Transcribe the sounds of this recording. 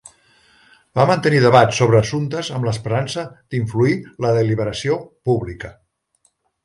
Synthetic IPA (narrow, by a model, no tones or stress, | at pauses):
bamənt̪əniðəβat̪soβɾəːsunt̪əzəmləspəɾansəd̪̥iɱfluiləðəliβəɾəsiopuβlikə